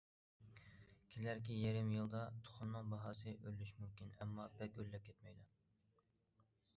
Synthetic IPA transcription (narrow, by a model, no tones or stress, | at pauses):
kʲʰilæɾkʲijeɾɪmjɨlˠd̪ɑt̪ʰʊ̥χʊnːɨŋbɑɦɑːsɨʔølːyʃmymkʲinɛmːɑbɛkʲølːɛp̚kʲʰɛt̪mɛjd̪u